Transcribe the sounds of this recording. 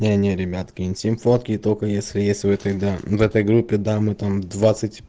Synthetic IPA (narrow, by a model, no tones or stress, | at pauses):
nʲenʲeɾʲɪbʲat̪kʲɪnʲsʲɪmfot̪kʲɪːt̪okəjesʲlʲɪjesʲtʲvɛt̪əd̪avɛt̪əjɡɾupʲːɪd̪amɨt̪amd̪vat̪sɨtʲ